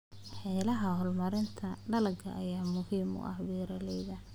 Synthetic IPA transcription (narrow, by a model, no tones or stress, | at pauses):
ħɛːlɐɦɐhɔlmɐɾɪnt̪ʰɐɖɐlɐɡʰɐ̰ʔːjaːmʊhiːmʊ̰ʔɐhbɛːɾɐlɛjðɐ